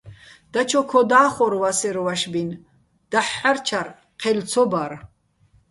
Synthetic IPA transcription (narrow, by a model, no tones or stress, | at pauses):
d̪̥at͡ʃʰɔkʰɔd̪aːχɔɾwasɛɾɔvaʃbin | d̪̥aħːaɾt͡ʃʰaɾ | qʰɛlt͡sʰɔbaɾ